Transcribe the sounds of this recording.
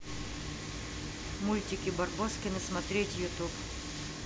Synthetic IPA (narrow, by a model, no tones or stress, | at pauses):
mulʲtʲɪkʲibɐrboskʲɪnɨsmɐt̪ɾʲetʲjʊt̪up